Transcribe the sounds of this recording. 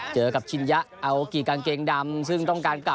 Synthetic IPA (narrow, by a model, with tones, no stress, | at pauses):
t͡ɕəː˨˦ka˨˩p̚t͡ɕi˧nzaː˦˥ʔʔaː˨˩wki˨˧˩kaː˨˩ŋke˨˧ŋɗaː˨˦msɨ˧ŋt͡ɕɔ˧wŋ͡mkaː˨˦nka˧